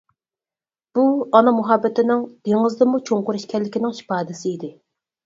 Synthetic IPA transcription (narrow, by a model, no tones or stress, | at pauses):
b̥uɑnɑmuɦɑbːɪt̪ɪnɪŋd̪̥eŋɨzd̪ɨmut͡ʃʰoŋqʊɾɪʃkʲɛlːɪkʲinɪŋʃi̥pɑːd̪ɪsɪid̪ɪ